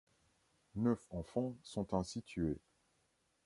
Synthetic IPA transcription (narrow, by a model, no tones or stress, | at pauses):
nœfɑ̃fɑ̃sɔ̃t̪ɛ̃sit̪ʰye